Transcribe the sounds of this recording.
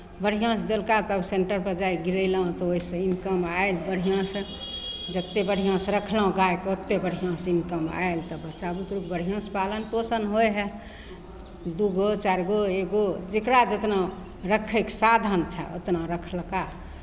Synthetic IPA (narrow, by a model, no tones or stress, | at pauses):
bəɽ̤ijãsd̪elkat̪əbseɳʈəɾpəɾd͡ʒaiɡiɾəɪlaɦt̪ɔoisə̃inkəmaelbəɽ̤ijãsə̃ | d͡ʒət̪ːebəɽ̤ijãsɾəkʰlaõɡaekot̪ːebəɽ̤ʱijãsinkəma̰elt̪ɔbət͡ʃabut̪ɾukbəɽ̤ʱijãspalənposənɦojɦɛ | d̪uɡot͡ʃaɾɡoeɡod͡ʒekɾad͡ʒət̪na | ɾəkʰəksad̪ʱənt͡ʃʰɛo̰t̪naɾəkʰəlka